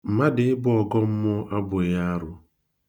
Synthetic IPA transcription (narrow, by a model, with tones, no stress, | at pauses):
m̩˨ma˦dɪ˨ɪ˦bʊ˦ɔ˨ɡɔ˦m̩˦mʊ˦ʔa˦bʊ˨ja˦a˦ɾʊ˦